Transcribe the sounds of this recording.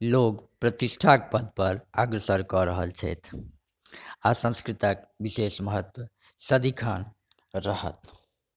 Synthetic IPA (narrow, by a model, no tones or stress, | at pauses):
lokpɾət̪isʈʰakpəd̪ʱpʌɾaɡɾəsəɾkɔɾəɦəlt͡ʃʰɛ̰jt̪ʰ | asə̃skɾit̪akbisesməɦət̪wə | səd̪ikʰan | ɾʌhə̰t̪